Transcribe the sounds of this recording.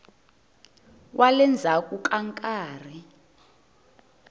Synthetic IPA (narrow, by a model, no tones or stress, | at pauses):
wʔalɛnd͡zʱakʼukʼaŋkʼaːr̤i